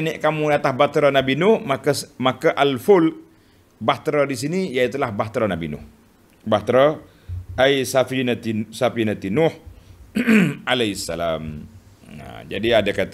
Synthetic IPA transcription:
nɪʔkamudat̪ahbat̪ɾanabinʊhmakasmakaʔalfʊl | baht̪ɾadis̬inijait̪ulahbaht̪ɾanabḭnʊ̰h | baht̪ɾa | ajsafinat̪isafinat̪inʊh | alaisːala̰m | a̰d͡ʒa̰diadakat̪

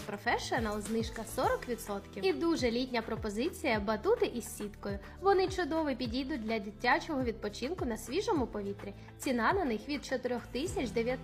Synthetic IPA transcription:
pɾɔfɛʃnɐlˠznɪʃkɐsɔɾɔkʋʲit̪sɔt̪kʲiid̪uʒɛlʲitʲnʲɐpɾɔpɔzɪt͡sʲijɐbɐt̪ut̪ɪʔisʲsʲit̪kɔjʊ | ʋɔnɪt͡ʃʊd̪ɔʋɪpʲidʲid̪ʊt̚ʲd̪ʲlʲɐdʲitʲːat͡ʃɔɦɔʋʲid̪̚pɔt͡ʃinkʊnɐsʲʋʲiʒɔmʊpɔʋʲit̪ɾʲi | t͡sʲinɑnɐnɪxʋʲid̪̚t͡ʃɔt̪ɪɾʲɔxt̪ɪsʲɐt͡ʃd̪eʋʲjɐt̪

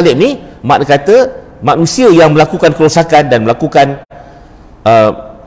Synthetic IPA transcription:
lɪʔmima̰ʔ̚kat̪ə | mãʔnũsiəjaŋmə̃lakukankəlosakandanməlakukan | ʔə

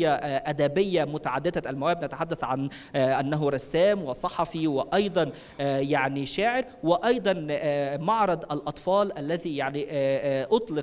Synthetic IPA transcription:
jːaʔad̪abɪjːamʊt̪aʕad̪ːɪd̪aʔalmawæːbnat̪aħad̪ːaθʕan | ʔanːaɦʊɾˤɑsːæːmwɪsˤɑħɑfiwɪʔɑjd̪ˤɑn | jaʕniʃaːʕɪɾ | wɪʔɑjd̪ˤɑnmɑʕɾˤɑd̪ʔalʔɑt̪ˤfɑːlʔalːaðijaʕniʔʔʊt̪ˤlɪ

